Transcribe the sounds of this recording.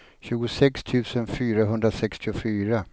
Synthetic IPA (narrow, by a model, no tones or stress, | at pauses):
ɕʉ̟ːɡʊsɛkst̪ʰʉ̟ːsənfyːɾaɦɵnd̪ɾasɛkst̪ɪʊfyːɾa